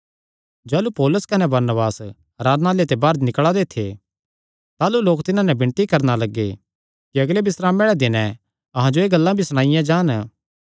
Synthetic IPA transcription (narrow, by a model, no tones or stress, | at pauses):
d͡ʒɛːlupɔːlʊskɐnɛbɐɾnəbaːs | ɾaːd̪naːlet̪ebaːɾd̪nɪkɭad̪et̪ʰḛ | t̪aːluloːkt̪ɪnãnɛbɪ̃ɳ̃t̪ikɐɾnalɐɡːḛ | kiɐɡlebɪsɾaːmeːɭɛd̪ɪnɛ̃ | ɐɦãd͡ʒoeːɡɐlːãbʱisɐɽ̃ãːɪjãd͡ʒaːn